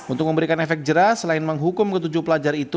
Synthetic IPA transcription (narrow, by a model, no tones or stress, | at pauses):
unt̪ʊk̚məmbəɾikanɛfɛk̪̚d͡ʒəɾahsəlaɪnməŋɦukʊmkət̪̬ud͡ʒupəlad͡ʒaɾit̪u